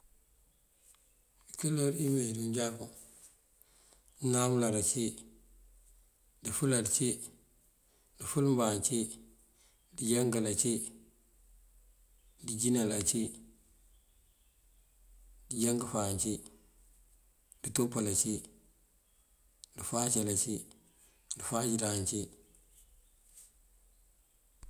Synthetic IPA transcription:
ikəloɾimedunɟaku | dinamlaɾat͡ʃi | difuladt͡ʃi | difulmbaːnt͡ʃi | diɟaŋɡalat͡ʃi | did͡ʒinalat͡ʃi | diɟaŋɡəfant͡ʃi | ditopːalat͡ʃi | difat͡ʃalat͡ʃi | difad͡ʒiɾant͡ʃi

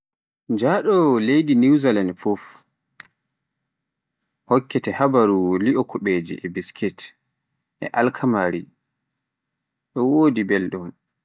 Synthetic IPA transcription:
d͡ʒaɗɔlejdiniwzalanfɔf | hɔkːɛtɛhabaɾuliʔɔkʰɔɓed͡ʒḭʔɛbiskʰit | ʔɛ̰ʔalkʰamaɾi | ɗɔwoːdibelɗum

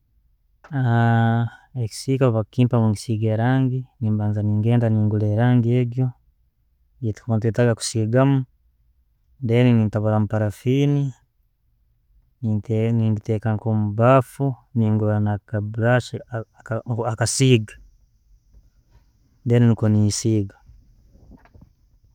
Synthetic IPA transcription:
a | eki̥siːkaβakiːmpamuŋɡisiːɡeɾaːŋɡiniːmbaːnzaniːŋɡeːndaniːŋɡuleːɾaːŋɡieɡjo | jeti̥kuβaːnt̬uetaɡaku̥siːɡamu | ndeːninintaβalamupaɾafiːni | nniːnditeːkaŋkomubafuniːŋɡulanakabuɾaʃi | akasiːɡḁ | ndeːninikoniːsiːɡa

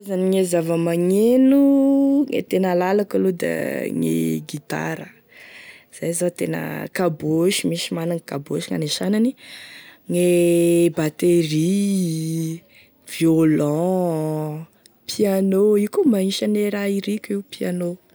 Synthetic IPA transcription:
zaniŋezavəmaŋenuŋḛt̪enəlalakalod̪a̰ŋḛɡit̪a̰ɾə | z̥ajzat̪enə̰kaboʃimiʃimanaŋkaboʃiŋa̰neʃanani | ŋebat̪eri | vjolɔ̃ | pʰianoikumaiʃaneɾaiɾikʲiwpiano

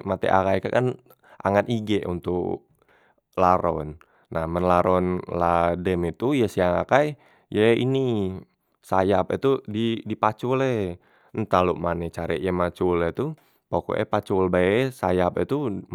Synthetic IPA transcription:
mat̪ɛ̰ʔakajkakan | ʔa̰ŋaniɡɛʔunt̪ʊk | laɾɔ̰nː | ahmənlaɾɔnladɛmit̪ujəsiaŋakaj | jəḭni | sajapɛ̰t̪udidipat͡ʃulɛ | nt̪aluʔmanɛt͡ʃaɾɛ̰ʔjəmat͡ʃulɛt̪u | poko̰ʔɛ̰pat͡ʃulbaɛsajapɛt̪u

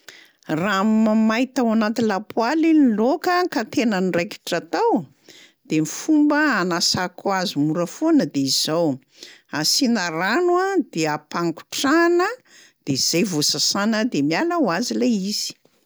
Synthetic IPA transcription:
ramamajt̪awanat̪ilapwalinilokəkat̪enənirejki̥ʈ͡ʂat̪aw | d̪̥emifumbəanasakwazimuɾəfonəd̪eiz̥aw | asinaɾanwad̪eəpaŋku̥ʈ͡ʂanə | d̪̥eiz̥ejvosasanəd̪emialəwazileiz̥i̥

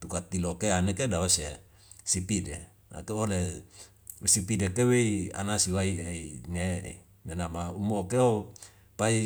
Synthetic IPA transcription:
t̪ukat̪ilokeanekedawase | sipide | na̰keole | usipidekeweia̰nasiwaieinḛ | nenamaumokeo | pai

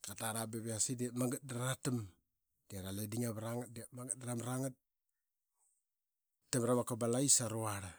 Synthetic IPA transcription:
kataɾabeβeasidiamaŋɡat̚daɾaatim | diaɾalediŋaβɾaŋat̚diatmaŋɡat̚dɾamɾaŋat̚ | tːamɾamakabalaisaɾoaɾa

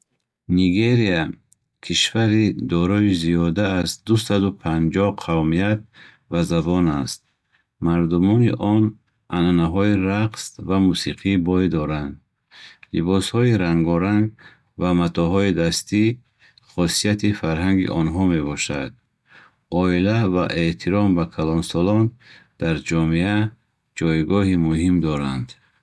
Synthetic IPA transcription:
niɡeɾia | kʰiʃvaɾid̪ɔɾɔiziɔd̪aːzd̪usad̪upʰand͡ʒɔhqʰavmiat̪̚ | vazabɔnast̪̚ | maɾd̪umɔnḭʔɔn | ʔananaɦɔiɾaqsvamusiqʰibɔjd̪ɔɾand̪ | lḭbɔshɔiɾaŋɡɔɾaŋɡ | vamat̪ʰɔɦɔid̪ast̪i | χɔsijat̪ʰifaɾɦaŋɡḭʔɔnɦɔme̞bɔʃa̰d̪̥̚ | ɔilavaʔe̞t̪ʰiɾɔmbakʰalɔnsɔlɔnd̪̥aɾd͡ʒɔmea | d͡ʒɔjɡɔɦimuhimd̪ɔɾand̪

